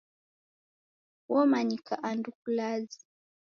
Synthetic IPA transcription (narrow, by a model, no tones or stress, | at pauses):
wɔmaɲikaʔandukulazi̥